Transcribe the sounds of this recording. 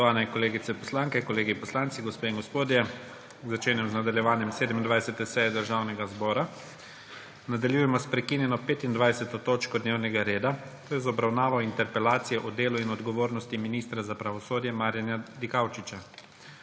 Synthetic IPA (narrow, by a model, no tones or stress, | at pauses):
ot̪ɔʋaːnɛiŋkɔleːɡitsɛpɔslaːŋkɛkɔleːɡipɔslaːnt̪siɡɔspeːiŋɡɔspoːd̪jɛ | zːat͡ʃeːnjɛmznad̪aljɛʋaːnjɛmseːd̪ɛmind̪ʋajsɛt̪ɛsɛjɛd̪əɾʒaːwnɛɡazbɔːɾa | nad̪aljujɛmɔspɾɛkiːnjɛnɔpeːt̪ind̪ʋajsɛt̪ɔt̪oːt͡ʃkɔd̪neːwnɛɡaɾeːd̪at̪oːjɛzɔbɾawnaːʋawint̪ɛɾpɛlaːt̪sijɛʔɔd̪eːluinɔd̪ɡɔʋoːɾnɔst̪iminiːst̪ɾazapɾaʋɔsoːd̪jɛmaːɾjanjad̪ikawt͡ʃit͡ʃa